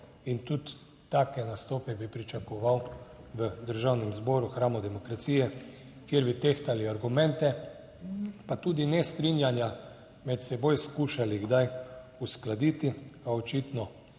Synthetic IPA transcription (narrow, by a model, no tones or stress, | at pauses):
int̪ut̪ː | aːkɛnast̪ɔːpɛbipɾit͡ʃakɔʋawʋəd̪əɾʒawnɛmzbɔːɾuxɾaːmɔd̪ɛmɔkɾat̪siːjɛ | kjeɾbit̪ext̪aliaɾɡumɛ̃nt̪ɛ | pat̪uːd̪inɛst̪ɾinjanja | mɛt̪sɛbojskuːʃaliɡd̪ajusklad̪it̪iaɔt͡ʃit̪nɔ